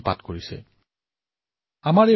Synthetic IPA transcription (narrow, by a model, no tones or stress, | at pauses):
pa̰tkoɹisɛ̰ | amaɹɛ